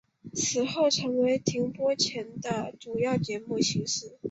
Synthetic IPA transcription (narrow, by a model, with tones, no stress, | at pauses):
t͡sʰɹ̩˨˩xo˥˩ʊʈ͡ʂʰɤ˧˥ŋwe˧˥ɪt̪ʰi˧˥ŋpwɔ˥t͡ɕʰjɛ˧˥nd̪ə˧ʈ͡ʂu˨˩jɑ˥˩ʊt͡ɕjɛ˧˥mu˥˩ɕi˧˥ŋʂɻ̩˥˩